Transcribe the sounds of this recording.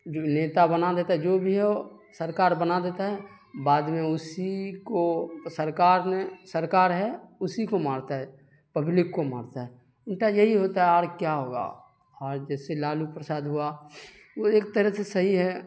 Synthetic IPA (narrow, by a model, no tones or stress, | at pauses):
d͡ʒoneːt̪abənad̪eːt̪aɦɛd͡ʒoːbʱiɦɛo | səɾkaːɾbənad̪eːt̪aɦɛ | baːd̪mẽʊsikosəɾkaːɾnesəɾkaːɾɦɛʊsikomaːɾt̪aɦɛ | pəblɪkːoma̰ːɾt̪aɦɛ | ɪɳʈajɐɦiɦoːt̪aɦɛaːɾkjaɦoːɡa̰ | ɔːɾd͡ʒɛːselaːlupɾəsaːd̪ɦʊa | ʋoeːk̚t̪əɾəsesəɦiɦɛ